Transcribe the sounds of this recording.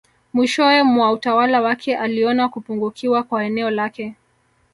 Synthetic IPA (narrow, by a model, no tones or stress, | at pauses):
mwiʃɔɛmwautawalawakʰɛʔaliɔnakupuŋɡukʰiwakwaɛnɛɔlakɛ